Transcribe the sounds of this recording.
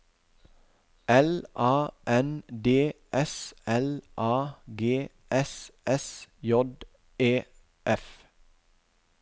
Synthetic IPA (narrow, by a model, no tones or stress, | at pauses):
ɛlʔɑːʔɛnd̪eːʔɛsɛlʔɑːɡeː | ʔɛsɛsjɔd̪ | eː | ʔɛf